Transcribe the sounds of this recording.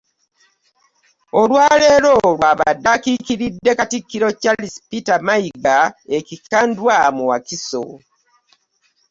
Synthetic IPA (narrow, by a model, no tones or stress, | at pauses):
olwaːleːlo̞ːlwaːβa̰dːakikiɾidːe̞katikːiɾo̞calispitamaiɡaecikandwamuwa̰kiso̰